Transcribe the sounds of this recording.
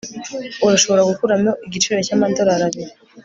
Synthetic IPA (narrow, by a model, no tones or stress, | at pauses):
uɾaʃo̞βo̞ɾaɡukuɾamoʔiɟit͡ʃuɾecamandoɾaɾaβi